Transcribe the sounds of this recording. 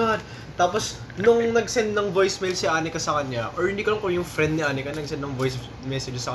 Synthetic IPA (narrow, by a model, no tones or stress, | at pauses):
ad̪ | t̪aːpos | nʊŋnɐɡsɛnd̪nɐŋvojsmɛlsɪʔaːnɪkɐsɐkɐnɲaʔoɹhɪnd̪ikʊlɐŋkojʊŋfɾɛnd̪nɪʔaːnɪkɐnɐɡ̚sɛnd̪nɐŋvojs | mɛsɛd͡ʒsɐkɐ